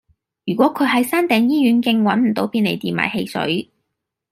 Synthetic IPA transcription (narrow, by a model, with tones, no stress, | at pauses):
jyː˨˩kwɔː˨˥kʰɵ˨˧ɥɦɐ˨˥jsaː˥nt̪ɛː˨ŋjiː˥ɥyː˨˥nkɪ˧ŋwɐ˨˥nm̩˨˩t̪o˨˥wpiː˧nle˨˩jt̪iː˨nma̰ː˨˩jhe˧jsɵ̰˨˥ɥ